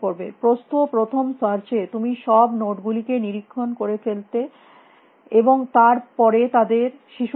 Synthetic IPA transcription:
koɾbḛpɾost̪opɾot̪ʰomsaɾt͡ɕet̪umiʃɔbnoʈɡulikeniɾikʰːonkoɾefelt̪e | eboŋt̪aɾpɔɾet̪ad̪eɾʃiʃ

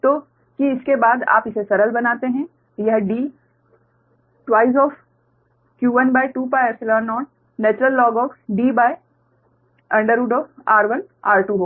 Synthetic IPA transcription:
t̪oː | kiɪskebaːd̪a̰ːpɪsesɐɾəlbɐnaːt̪eɦɛ̃ | jɐɦɖiː | ʈwaːɪzɔːf | kjuːʋɐnbaːɪʈuːpaːjəsɪlɔ̃ːnːɔːn | nɛːt͡ʃɾəlːɔːɡɔːfɖiːbaːɪ | ɐ̃ɳɖəɾuːɖɔːaːɾʋɐnaːɾʈuːɦoː

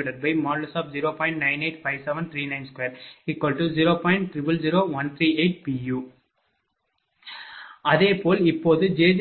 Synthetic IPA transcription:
ɪʈɐɾ̚bɐɪmaːɖlɐsaːp̚d͡ʒiɾoːpɔ̃ːɪ̃ɳʈ̚nɐ̃ɪ̃neɪʈfɐɪʋsɛʋɐ̃nt̪ʰɾiːnɐ̃ɪ̃mskweːɾɪkːɔːlʈːuziːɾoːpɔ̃ːɪ̃ɳʈ̚ʈɾɪpɐld͡ʒiɾoːʋɐnt̪ʰɾiːeɪʈ̚piːjuː | ɐðeːpoːlɪpːoːðɯd͡ʒeːd͡ʒ

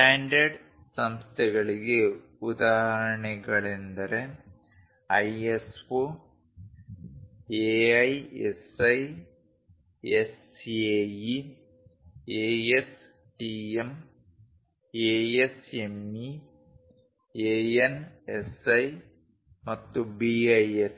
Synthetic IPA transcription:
ʈaːndɐɽ | sɐmst̪ʰɐɣɐɭilɨ | ud̪aːɦɐɾɐɳɐɣɐɭend̪ɐɾe | ɐjesfo | eɐjḛsɐj | es | eːi | eːes | ʈiːem | eːesemi | eːenesɐj | mɐt̪ːubiɐjes

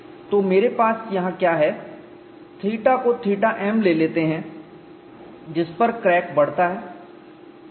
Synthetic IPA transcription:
t̪oːmeːɾepaːsjɐɦãkjaːɦɛ | t̪ʰiːʈakot̪ʰiːʈaʔɛːmleːleːt̪eɦɛ̃ | d͡ʒɪspɐɾkɾɛːk̚bɐɽ̤t̪aɦɛː

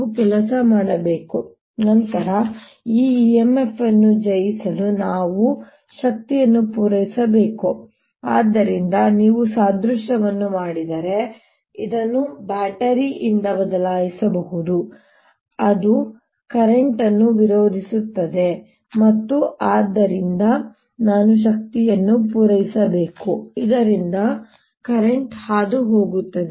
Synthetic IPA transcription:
ukɛlɐsɐmaːɽɐbeːku | nɐnt̪ɐɾɐ | iːiemːe̞fʰːɐnːud͡ʒɐjisɐlunaːʋu | ʃɐk̚t̪ijɐnːupuːɾɐjisɐbeːku | aːd̪ːɐɾind̪ɐniːʋusaːd̪ɾuʂʈɐʋɐnːumaːɽid̪ɐɾe̞ | id̪ɐnːubaːʈɐɾiʔind̪ɐbɐd̪ɐlaːjisɐbɐɦud̪u | ɐd̪u | kɐɾeɳʈɐnːuʋiɾo̞ːd̪ʱisut̪ːɐd̪e̞ | mɐt̪ːuaːd̪ːɐɾind̪ɐ | naːnuʃ̬ɐk̚t̪ijɐnːupuːɾɐjisɐbeːkuid̪ɐɾind̪ɐ | kɐɾeɳʈhaːd̪uɦo̞ːɡut̪ːɐd̪e

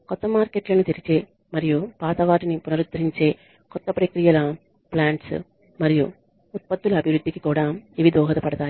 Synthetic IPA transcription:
kɔt̪ːɐmaːɾkeʈːɪlɐnːɯt̪ɛɾɪɲt͡ʃːeː | mɐɾɪjopaːðɐʋaːʈːɐnipʊnɐɾɯt̪ːɪɾɪɲt͡ʃeː | kɔt̪ːɐpɾekɾɪjɐlaːm | plaːɳʈs | mɐɾɪjo̰ | ʊt̪̚pɐt̪ːɯlɐbʱɪʋɾɯd̪ːikʲːi̥kːuːɽaːmɪʋɪd̪oːɣɐðɐpːɐɽɐðaː

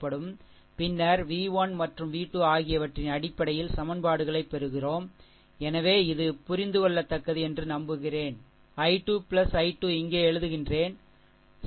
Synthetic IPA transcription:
pːɐɽɯm | pɪnːɐɾʋiːʋaːnmɐʈrɯmʋiːʈːɯaːɣɪjɐʋɐʈrɪnɐɽɪpːɐɽɐjɪlsɐmɐnbaːɽɯɣɐɭɐɪpːɛɾɯɣɪroːm | ɛnɐʋeːɪðɯpʊɾɪnd̪ɯkɔɭːɐt̪ːɐkːɐðiɛndrɯnɐmbɯɣɪreːn | ɐɪʈːuːpɪɭɐsɐɪʈːuːɪŋɡeːɛɻɯðɯɣɪndreːn | s

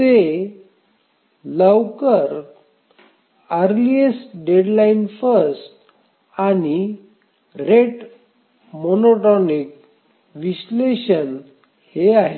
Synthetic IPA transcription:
te | ləwkəɾ | əɾliesɖeɽlainfəɾsʈ | aɽ̃i | ɾeʈ | monoʈɔnik̚ | ʋiɕleɕən | heaɦe

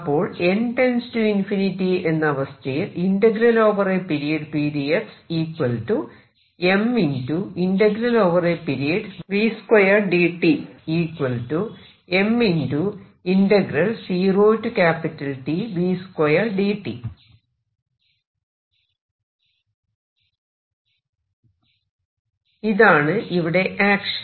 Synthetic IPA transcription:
ɐpːo̞ːɭenʈenstuinfinitːie̞nːɐɐʋɐst̪ʰɐjilinɖɐɡiɾɐlo̞ːʋɐrepiɾijɐɖpiːdieksiːkwɐltu | e̞minduinɖɐɡiɾɐloːʋɐrepiɾijɐɖʋiːskwɐjɐrɖiʈːiiːkwɐltu | e̞mindu | inɖɐɡiɾɐlsiːroːtːukaːpitːɐlʈiʋiːskojɐɖiːʈːḭ | iðaːɳɨʔiʋiɽe̞ʔaːkʂ

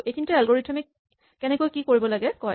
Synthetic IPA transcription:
ejkʰintualɡoɹitʰami | kɛnɛkojkikoɹibɔlaɡɛkɔj

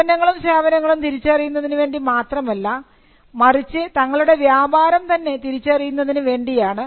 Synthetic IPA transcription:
ɐnɐŋːɐɭumɕeːbɐnɐŋːɐɭumt̪iɾit͡ɕːɐrijunːɐðinɨʋe̞ːɳɖimaːt̪rɐmɐlːɐ | mɐrit͡ɕːɨt̪ɐŋːɐɭuɽe̞ʋjaːbaːɾɐmt̪ɐnːe̞t̪iɾit͡ɕːɐrijunːɐðinɨʋe̞ːɳɖijaːɳɨ

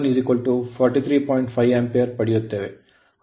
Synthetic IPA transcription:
nizikʋɐlʈufɔːɾʈit̪ʰɾiːpɔːjɪ̃ɳʈfɐɪʋɛmpeɐɾpɐɽɪjɯt̪ːɐʋḛ

